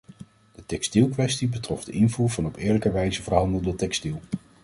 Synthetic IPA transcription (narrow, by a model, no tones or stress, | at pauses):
d̥ətɛkstilˠkʋɛstibətrɔfdəʔɪnvuːɹvɑnɔpɪːɹləkəʋɛjzəvərɹɦɑndəlˠdətɛkstilˠ